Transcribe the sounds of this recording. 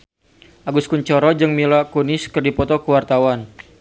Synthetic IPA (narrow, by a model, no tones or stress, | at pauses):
ʔaɡuskuɲt͡ʃɔɾɔd͡ʒɨŋmilakunɪskɨrdipɔt̪ɔkəwart̪awan